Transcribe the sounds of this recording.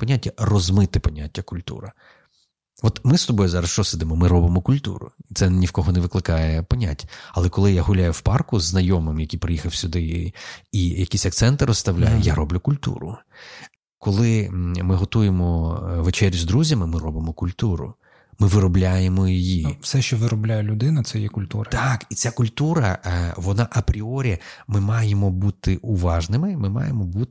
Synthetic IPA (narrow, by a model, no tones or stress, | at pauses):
pɔnʲatʲːɐrɔzmɪt̪ɪpɔnʲatʲːɐkʊlʲt̪ṵɾɐ | ʋɔt̪mɪst̪ɔbɔjuzɑɾɐsʃt͡ʃɔsɪd̪ɪmɔmɪɾɔbɪmɔkʊlʲt̪ṵɾʊ̰it̪sɛnʲiwkɔɦɔneʋɪklˠɪkɑjɛpɔnʲatʲːɐ̥ɐlˠɛkɔlˠɪjaɦʊlʲajʊwpɑrkʊzːnɐjɔmɪmjɐkʲipɾɪjixɐwsʲʊd̪ɪ | ijɐkʲisʲɐk̚t̪sɛnt̪ɪɾɔst̪ɐwlʲa̰jɛjaɾɔblʲʊkʊlʲt̪ṵɾʊ̰ | kɔlˠɪmɪɦɔt̪ujemɔʋet͡ʃɛɾʲjzd̪ɾuzʲɐmɪmɪɾɔbɪmɔkʊlʲt̪uɾʊ̰ | mɪʋɪɾɔblʲajemɔjijifsɛʃt͡ʃɔʋɪɾɔblʲajɛlʲʊd̪ɪnɐt̪sɛjɛkʊlʲt̪uɾɐt̪ɑkit̪t͡sʲakʊlʲt̪uɾɐʋɔnɑʔɐpɾʲiɔɾʲimɪmɑjemɔbut̪ɪʔʊʋɑʒnɪmɪmɪmɑ̰jemɔbut̪ɪ